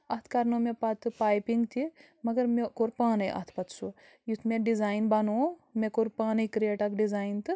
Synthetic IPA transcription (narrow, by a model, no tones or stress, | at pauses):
ɐt̪ʰkɐɾnomepɐt̪ʰɨpaːjpiŋɡt̪ʰi | mɐɡɐɾmekoɾpaːnɐjʔɐ̰t̪ʰpɐt̪ʰsu | jut̪ʰmeɖizaːjnbɐnoːmekoɾpaːnɐjkɾijeːʈakɖizaːjnt̪ɨ